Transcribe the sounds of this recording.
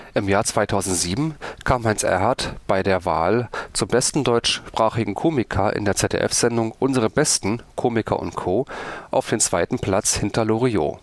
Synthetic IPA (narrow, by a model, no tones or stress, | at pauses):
ʔɪmjaːɐt͡sv̥aɪtʰaʊzn̩tz̥iːbm̩kʰaːmhaɪnsʔɛ̰ɐɦaɐtb̥aɪdeːɐva̰ːlt͡sʊmbɛstn̩dɔʏt͡ʃpʁ̥aːχɪɡŋ̩kʰoːmɪkʰɐʔɪ̰ndeːɐt͡sɛtʰḛːʔɛ̰fz̥ɛndʊŋʔʊnzəʁəbɛstn̩kʰoːmɪkʰɐ̰ʔʊ̰ntkʰoːʔaʊfd̥eːnt͡sv̥aɪtn̩pl̥at͡shɪntʰɐloʁio̰ː